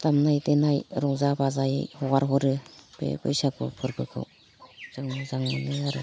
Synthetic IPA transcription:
t̪amnajtenajɾɔŋzabazajhɔɡaɾɦɔɾɯpḛpɯjsakʰɯ̰pʰɯɾbʰɯkʰɯ̰w | z̥ɯŋɯzaŋmɯnɯaɾɯ

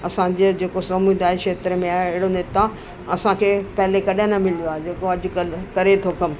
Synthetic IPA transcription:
ɐsãd͡ʑed͡ʑeːkosɐmud̪aːekʃeːt̪ɾəmẽaːɪɪɽoneːt̪a | ɐsãkʰeːpɐɦɪlekɐɗə̃nɐmɪloaːɦed͡ʑeːkoɐd͡ʑʊkəlkɐɾet̪ʰokɐm

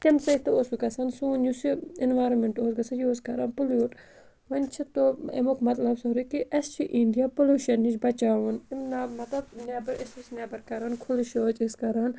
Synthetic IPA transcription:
t̪emsɐt̪ɐosikɐsɐnsuːnjusiinʋaːɾonmeɳʈoːsɡɐsɐnjoːskɐɾaːnpuluːʈ | ʋɐnt͡ʃʰit̪oḛmokmɐt̪lɐbsɐɾukiʔɐst͡ʃʰiʔiɳɖijaːpuluːʃɐnːit͡ʃbɐt͡ʃaːʋunimnamɐt̪ɐbneːbɐɾisisnʲaːbɐɾkɐɾaːnkʰuliʃoːt͡ʃiskɐɾaːn

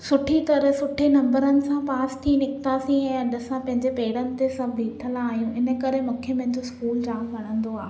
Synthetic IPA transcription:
sʊʈʰit̪ɐɾəɦsʊʈʰenɐ̃mbəɾənɪ̆sãpaːst̪ʰinɪkt̪asĩɛ̃ːɐɗəsãpɐ̃ɦɪ̃ɲd͡ʑepeːɽənɪ̆t̪esɐbʱiːʈʰəlaaːɦijũʔɪnə̆kɐɾemũːkʰemɐ̃ɦɪ̃ɲd͡ʑoskuːld͡ʑaːmʋɐɽ̤̃ə̃nd̪oaːɦe

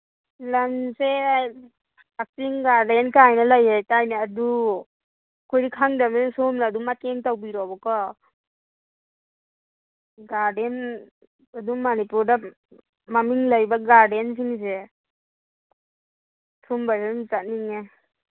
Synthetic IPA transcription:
lamse | ak̚tiŋɡaɾdenkajnalajajtajnaːdu | kʰɔjdikʰaŋdamensomnaːdumateŋtawbiɾɔbɔkɔ | ɡaɾden | adumanipuɾda | mamiŋlajbaɡaɾdens̬iŋse | tʰumbaɾenzat̚niŋe

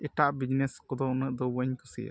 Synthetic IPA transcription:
ɛʈaʔbid͡ʒneskɔd̪ɔʔnəʔd̪ɔwəɲkʰusḭ

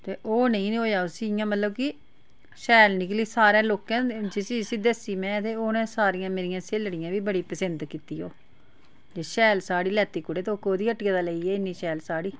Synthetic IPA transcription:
t̪eːʔoːnəĩːnːɦoːjaːosiːjãːmət̪ləb̚kɪ | ʃɛːlnɪkliːsaːɾãːloːkãːd͡ʒɪsiːɪsiːd̪esiːmɛ̃ːt̪eːoːnẽːsaːɾɪjãːmeːɾɪjãːseːlɽɪjãːʋiːbəɽiːpəsənd̪kiːt̪iːoː | d͡ʒeːʃɛːlsaːɽiːlɛːt̪iːkʊɽeːt̪eokoːd̪iːəʈkẽːd̪aːləiːɛːɪnːiːʃɛːlsaːɽiː

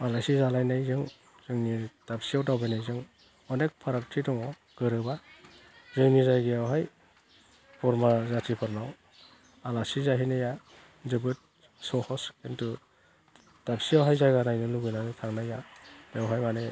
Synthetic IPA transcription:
alasizalajnajzɯŋ | z̥ɯŋnitapsiawtawbajnajzɯŋ | ɔnek̚pʰaɾak̚tʰidɔŋɔ | ɡ̥ɯɾɯba | zɯŋnizajɡiawɦaj | pɔɾmazatʰipʰɯɾnaw | alasizaɦinaja | zɯbɯt̚ | sɔhɔsentu | tapsiawɦajzajɡanajnɯluɡɯjnanɯtʰaŋnajabawɦajmanaj

